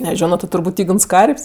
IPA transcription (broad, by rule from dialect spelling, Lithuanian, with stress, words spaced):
nʲɛˈʒʲoːnoː tʲɪ tʊrˈbuːtʲ ˈiːɡns ˈkɐrʲpʲsʲ